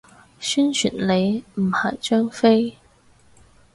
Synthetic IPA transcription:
syː˥nt͡ʃʰy̰˨˩nle˨˧jm̩˨˩hɐ˨˩jt͡ʃœː˥ŋfe˥j

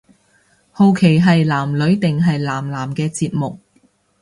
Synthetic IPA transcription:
ho˨˧wkʰe˨˩jɦɐ˨jlaː˨˩mlɵ˨˧˥ɥt̪ɪ˨ŋɦɐ˨jlaː˨˩mlaː˨˩mkɛː˧t͡siː˧t̚mʊ˨k̚

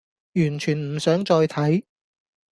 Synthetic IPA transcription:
jyː˨˩nt͡ʃʰyː˨˩nm̩˨˩sœː˨˥ŋt͡ʃɔː˧jt̪ʰɐ˨˥j

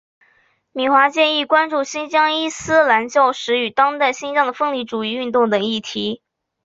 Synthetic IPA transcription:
mi˨˩xwa˧˥t͡ɕjɛ˥˧ni˥˩kwa˥nʈ͡ʂu˥˩ɕi˥nt͡ɕjɑ˥ŋi˥sɹ̩˥la˧˥nt͡ɕjɑ˥˩ʊʂɻ̩˧˥y˨˩t̪ɑ˥ŋt̪a˥˩ɪɕi˥nt͡ɕjɑ˥˩ŋd̪ə˩fɤ˥˧ŋli˧˥˩ʈ͡ʂu˨˩i˥˧y˥˧nt̪ʊ˥˩ŋt̪ɤ˨˩ŋi˥˩t̪ʰi˧˥

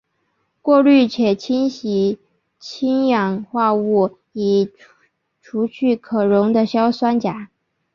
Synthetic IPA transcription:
kwɔ˥˧ly˥˩t͡ɕʰjɛ˨˩t͡ɕʰi˥nɕi˧˥ | t͡ɕʰi˥ŋjɑ˨˩ŋxwa˥˧u˥˩ | i˨˩ | ʈ͡ʂʰu˧˥t͡ɕʰy˥˩kʰɤ˨˩ɻʊ˧˥ŋd̪ə˧ɕjɑ˥ʊswa˥nt͡ɕja˨˩˦

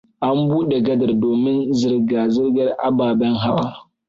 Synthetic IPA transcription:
ʔa˦mbuː˦ɗe˨ɡɐ˦da˨ɾdoː˨mɪ˦nzɨ˨ɾɡaː˨zɪ˦ɾɡɐ˦ɾʔa̰˨baː˨bɐ˦ŋɦa˦waː˦

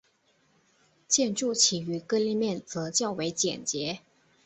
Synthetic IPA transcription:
t͡ɕjɛ˥˧nʈ͡ʂu˥˩t͡ɕʰi˨˩y˧˥kɤ˥˧li˥˧mjɛ˥˩nt͡sɤ˧˥t͡ɕjɑ˥˩ʊwe˧˥ɪt͡ɕjɛ̰˨˩nt͡ɕjɛ˧˥

